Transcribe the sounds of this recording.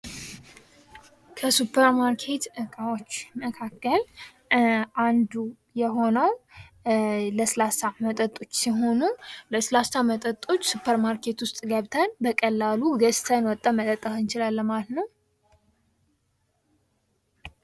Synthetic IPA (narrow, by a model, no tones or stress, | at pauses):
kʰəsupʰːəɾmaɾkʰe̞t̪ɨkʼawot͡ʃːməkʰakːəl | ʔand̪u | jɛɦo̞nəw | ləslasamət̪ʼət̪ʼo̞t͡ʃːsiɦo̞nuləslasamət̪ʼət̪ʼːo̞t͡ʃːsupʰːəɾmaɾkʰe̞t̪wʊst̪ʼɡəβt̪ʰənbəkʼəlːaluɡəst̪ʰənwɔt̪ʼːəmət̪ʼət̪ʼːahɨnt͡ʃɪlalːəmalət̪nəw